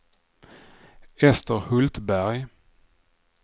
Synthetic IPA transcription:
ɛst̪əɾhɵlt̪bæɾj

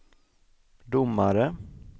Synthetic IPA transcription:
d̪ʊmːaɾə

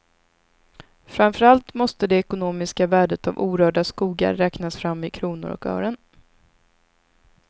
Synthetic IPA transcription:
fɾamfœɾalt̪mɔst̪əd̪ɛɛkʊnoːmɪskavæːɖət̪a̰vuːɾœːɖaskuːɡa̰ɾːɛːknasfɾamːɪkʰɾuːnʊ̰ɾɔ̰kœ̰ːɾən

